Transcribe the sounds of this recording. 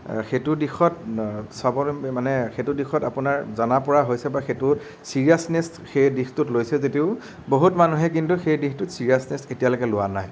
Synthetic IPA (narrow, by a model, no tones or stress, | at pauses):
xetʊdixʰɔtsabɔmanɛxetudixʰɔtapʊnaɹzanapɔɹaɦojsɛbaxetʊ | siɹiasnestxejdixtʊtlojsɛzetiʊ | boɦutmanuɦɛk̬intuxejdixtʊtsiɹiasnɛstetijalojkɛlʊwana̰j